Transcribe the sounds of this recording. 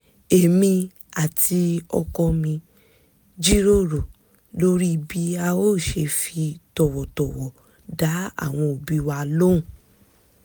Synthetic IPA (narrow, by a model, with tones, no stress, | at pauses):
e˨mĩ˧ | a˨ti˧ɔ̰˧kɔ˧mĩ˧ | d͡ʒi˦ɾo˦ɾo˨ | lo˦ɾi˦˧bi˦a˧o˦˨ʃe˧fi˧tɔ˨wɔ˨tɔ˨wɔ˨ | da˨˦a̰˦˨w̃ɔ̃˧o˨bi˨˧wa˧lõ˦˨